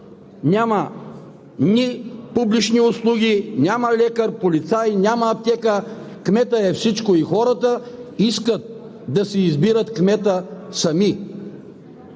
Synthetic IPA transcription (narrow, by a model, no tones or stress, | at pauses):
nʲamɐ | nipublit͡ʃniʊslˠuɡʲinʲaməlʲɛkəɾpolit̪sajnʲaməːp̚t̪ɛkə | kmɛt̪əɛfsit͡ʃkoixɔɾət̪əiskət̪̚ | d̪ɐsɛizbiɾət̪kmɛt̪əsɐmi